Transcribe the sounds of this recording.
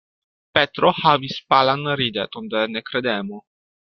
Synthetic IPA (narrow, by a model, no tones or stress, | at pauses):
pɛt̪ɾohavispalanɾid̪ɛ̰t̪und̪enekɾed̪ɛmo